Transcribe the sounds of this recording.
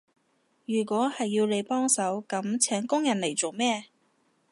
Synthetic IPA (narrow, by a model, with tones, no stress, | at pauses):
jyː˨˩kʷɔː˨˥hɐ˨jːiː˧wle˨˧jpɔː˥ŋsɐ˨˥wkɐ˨˥mt͡sʰɛː˨˥ŋkʊ˥ŋjɐ˨˩nle˨˩jt͡so˨wmɛː˥